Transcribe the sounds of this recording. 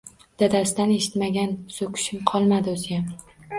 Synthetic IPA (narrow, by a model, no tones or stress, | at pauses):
d̪̥ad̪asɪd̪ane̞ʃɪ̥t̪maɡʲansokʲʰʊ̥ʃɪmqʰɒlˠmad̪ɪozɪjam